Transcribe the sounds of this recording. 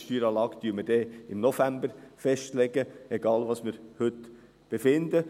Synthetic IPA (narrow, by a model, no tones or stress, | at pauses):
ʃtyːɾɑːlɑːɡ̥d̥yːməd̥ɛːɪmnɔfæmbəɾfɛʃtlɛɡəɛɡ̥ɑːlʋɑːsmɪːɾhʏt̪ | b̥efɪnd̪ə